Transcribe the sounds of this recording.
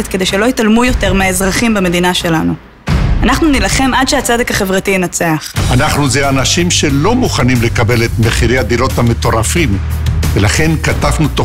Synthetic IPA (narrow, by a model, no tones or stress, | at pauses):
et̪̚ked̪e̞jʃe̞lo̞italmujo̞te̞ʁmeaezʁaχimbame̞d̪inaʃe̞lanu | anaχnunilaχe̞madʃeat͡sedekaχe̞vʁatienat͡seaχanaχnuzeanaʃimʃe̞lo̞muχanimle̞kabe̞let̪meχiɾejad̪iɾo̞thame̞t̪o̞ʁafimvelaχe̞nkatafnut̪o